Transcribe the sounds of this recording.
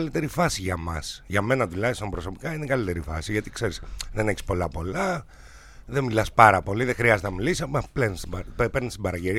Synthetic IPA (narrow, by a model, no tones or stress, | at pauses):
lit̪e̞ɾifɐsiʝɐmɐ̰sʝɐme̞nɐt̪ulɐçist̪o̞mbɾo̞so̞pi̥kɐinekɐlit̪e̞ɾifɐ̰siʝɐt̪i̥kse̞ɾisðeneçi̥spo̞lɐpo̞lɐ | ðemilɐspɐɾɐpo̞liðexɾiɐzet̪enɐmilisiɐpoɐplenist̪ibppeɾnist̪ibɐɾɐʝeɾi